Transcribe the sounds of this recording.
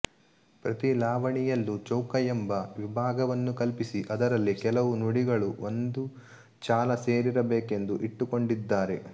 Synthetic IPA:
pɾɐt̪ilaːʋɐɳijɐlːut͡ʃɐwkɐjɐmbɐʋibʱaːɡɐʋɐnːukɐlpisiʔɐd̪ɐɾɐlːikɛlɐʋunuɽiɡɐɭuond̪u | t͡ʃaːlɐse̞ːɾiɾɐbeːke̞nd̪uʔiʈːuko̞ɳɖid̪ːaːɾe̞

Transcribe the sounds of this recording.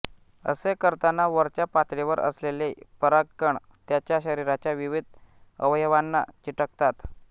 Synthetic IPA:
ə̰sekəɾt̪anaʋəɾt͡ɕjapat̪leʋəɾʔə̰slelepəɾaɡəɳ | t̪jat͡ɕjaɕəɾiɾat͡ɕjaʋiʋid̪̚ʱəʋjʋanːa̰t͡ɕiʈəkt̪at̪

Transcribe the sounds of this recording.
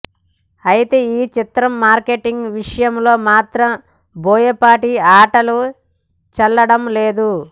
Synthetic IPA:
ɐjit̪eːiːt͡ʃit̪ɾɐmːaːɾkeʈiŋɡʋiʂɐjɐmlo̞ːmaːt̪ɾɐm | boːjɐpaːʈiaːʈɐlu | t͡ʃɐlːɐɽɐmleːd̪u

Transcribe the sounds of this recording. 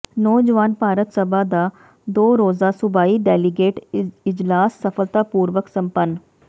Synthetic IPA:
nɔːd͡ʒəʋaːnpaːɾət̪səbʱaːd̪aː | d̪oːɾoːzaːsʊbaːiːɖɛːlɪɡeːʈɪd͡ʒlaːsːəfʰəlt̪aːpuːɾʋəksə̃mpən

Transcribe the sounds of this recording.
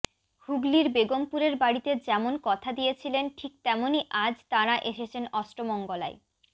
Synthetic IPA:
huɡliɾbeɡompuɾeɾbaɽit̪ed͡ʑɛmonkɔt̪ʰad̪ijet͡ɕʰilenʈʰik̚t̪ɛmoniʔad͡ʑt̪aɾaʔeʃet͡ɕʰenɔsʈɾomɔŋɡola̰e

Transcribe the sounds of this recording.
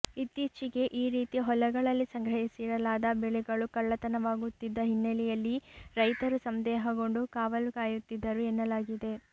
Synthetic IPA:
it̪ːiːt͡ʃiɡe̞ʔiːɾiːt̪iɦɔlɐɡɐɭɐlːisɐŋɡɾɐɦisiɾɐlaːd̪ɐbɛɭɛɡɐɭukɐɭːɐt̪ɐnɐʋaːɡut̪ːid̪ːɐɦinːɐlɛjɐlːiɾɐjt̪ɐɾusɐmd̪ɛːɦɐɡo̞ɳɖukaːʋɐlukaːjut̪ːid̪ːɐɾuenːɐlaːɡid̪e̞

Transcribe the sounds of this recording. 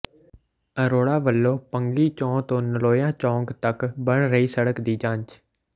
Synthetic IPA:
əɾoːɽaːʋəlːoːpəŋɡiːt͡ʃɔ̃ːt̪õːnəloːjãːt͡ʃɔ̃ːŋɡt̪əkbəɳɾəiːsəɽəkd̪iːd͡ʒãːɲt͡ʃ

